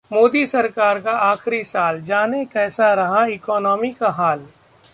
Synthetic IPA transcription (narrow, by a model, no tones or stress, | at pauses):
moːd̪isɐɾkaːɾkaʔaːxɾisaːld͡ʒaːnekɛːsaɾɐɦaɪkɔːnɔːmikaɦaːl